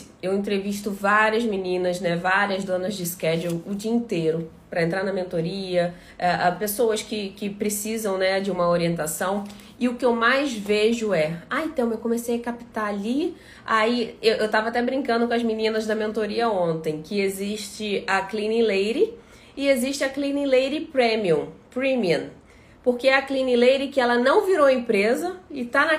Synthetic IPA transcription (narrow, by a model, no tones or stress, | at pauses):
ewẽnt̪ɾeviʃt̪ʊvaɾiɐzminĩnɐznɛvaɾiɐzd̪õnɐzd͡ʒɪskɛd͡ʒewʊd͡ʒiɐĩt̪ejɾʊ | pɾɐẽnt̪ɾaɾnɐmẽnt̪oɾiɐ | aʔpesowɐskɪkɪpɾesizɐ̃w̃nɛd͡ʒɪũmɐoɾiẽnt̪asɐ̃w̃ | ɪʊkɪewmajzveʒʊɛaẽt̪ɐ̃w̃ewkõmesejɐkapi̥t̪aali | aiewʔewt̪avɐat̪ɛbɾĩŋkɐ̃nd̪ʊkõɐzminĩnɐzd̪ɐmẽnt̪oɾiɐõnt̪ẽj̃kɪeziʃt͡ʃɪɐklĩnilejɾɪ | ɪeziʃt͡ʃɪɐklĩnilejɾɪpɾẽmiũpɾĩmiɐ̃n | poɾkeɛɐklĩnilejɾɪkɪɛlɐnɐ̃w̃viɾowɐẽpɾezɐɪt̪anɐ